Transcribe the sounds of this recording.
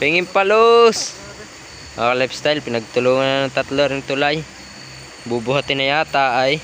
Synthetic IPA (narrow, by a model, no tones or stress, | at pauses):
piŋɪmpalos | alajpst̪ajlpɪnaɡ̚t̪ʊluŋannat̪at̪loɾɪnt̪ʊlaj | bubʊɦat̪ɪnajaːt̪aʔːj